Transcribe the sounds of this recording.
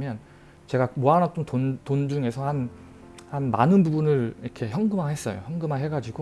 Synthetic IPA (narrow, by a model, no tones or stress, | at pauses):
mjʌn | t͡ɕe̞ɡamoanat͈ontontond͡ʑuŋe̞sʰʌhan | hanma̰nɯnbubunɯɭiɾʌkʰe̞çjʌŋɡɯmahe̞s͈ʌjo̰çjʌŋɡɯmaɦe̞ɡad͡ʑiɡo